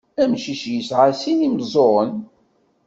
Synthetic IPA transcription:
æmʃiʃjəsʕasinimzˤoɾˤən

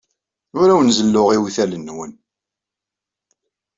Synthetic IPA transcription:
ʊɾæwənzəlːʊʁiwθælənːwən

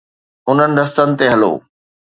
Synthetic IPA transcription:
ʊn̤ənɪ̆ɾɐst̪ənɪ̆t̪eɦɐlo̰ː

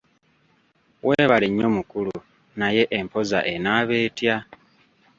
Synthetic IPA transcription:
wʔeːβaliɲːo̞mukulu | naje̞ʔempo̞za̰ʔe̞naːβeːtja

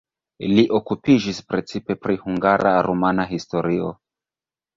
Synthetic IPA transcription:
liʔo̞kupiʒispɾe̞t͡sipe̞pɾihuŋɡaɾa̰ɾomanaɦisto̞ɾio̞̰

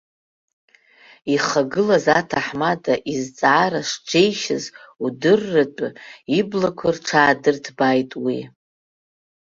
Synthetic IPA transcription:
iχaɡɨlazatʰaħmatʼaʔizt͡sʼaːɾaʂd͡ʒejʃa̰zudɨrːatʷʼʊiblakʷʰarʈ͡ʂʰaːdɨrtʰbajtʼwi

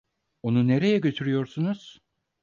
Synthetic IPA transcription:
o̞nune̞ɾe̞jɛɟø̞t̪ʰyɾyjo̞ɾsunuz̥

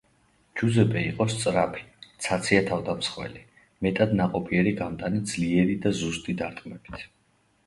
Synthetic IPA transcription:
d͡ʒuzɛpʼɛiqʼɔst̪sʼɾapʰi̥t̪sʰat̪sʰiat̪ʰavd̪amsχwɛ̰li | mɛt̪ʼad̪naqʼɔpʰiɛɾiɡamt̪ʼanid̪zliɛɾid̪azust̪ʼid̪aɾt̪ʼqʼmɛbi̥t̪ʰ

